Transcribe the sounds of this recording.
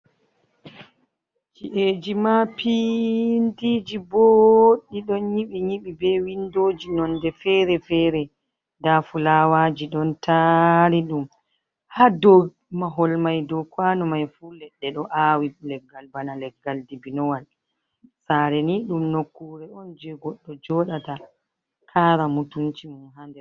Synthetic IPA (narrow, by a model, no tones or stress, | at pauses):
t͡ʃiʔed͡ʒimapʰindid͡ʒiboɗːiɗɔnjiɓiɲiɓibɛwindoːd͡ʒinɔndɛfɛːɾɛfɛːɾɛ | dafulawaːd͡ʒiɗɔntʰaɾiɗum | hadɔ | maɦɔlmajdɔkwaːnɔmajfuːlɛɗːɛɗɔʔaːwilɛɡːalbanalɛɡːaldibinɔwal | saːɾɛniɗumnokːuːɾɛɔnd͡ʒɛɡɔɗːɔd͡ʒɔɗata | kʰaːɾamutunt͡ʃimunhandɛ